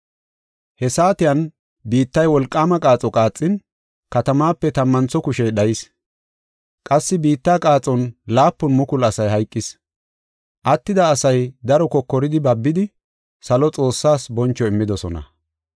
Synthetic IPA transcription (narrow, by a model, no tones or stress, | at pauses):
hɛsaːt̪ɪjɐn | biːt̪ːɐjwɔlkʼːaːmɐkʼaːt͡sʼɔkʼaːt͡sʼːɪn | kɐt̪ɐmaːpːɛt̪ɐmːɐnt͡sɔkʊʃɛjɗɐjɪs | kʼɐsːɪbiːt̪ːaːkʼaːt͡sʼɔnlaːpːʊnmʊkʊlɐsɐjɦɐjkʼːɪs | ʔɐt̪ːɪd̪ɐːsɐjd̪ɐɾɔkɔkːɔɾɪd̪ɪbɐbːɪd̪ɪ | sɐlɔt͡sʼo̞ːsːaːsbɔnt͡ʃːɔɪmːɪd̪ɔsɔ̰nɐ̰